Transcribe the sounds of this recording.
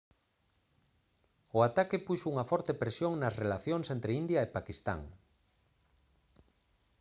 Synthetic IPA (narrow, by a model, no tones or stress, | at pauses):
ʊat̪akɪpuʃouŋɐfɔɾt̪epɾesjoŋnɐsrelaθjoŋsent̪ɾeind̪jɐepakist̪a̰ŋ